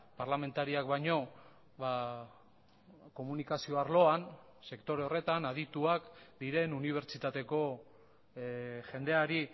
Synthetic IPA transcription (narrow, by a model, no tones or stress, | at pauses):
paɾlame̞nt̪aɾiakbajɲo̞ | βa | ko̞munikasio̞aɾlo̞an | se̞kt̪o̞ɾeo̞re̞t̪anað̞it̪uakd̪iɾe̞nuniβ̞e̞ɾt͡ʃit̪at̪e̞ko̞ | ʝe̞nd̪e̞aɾi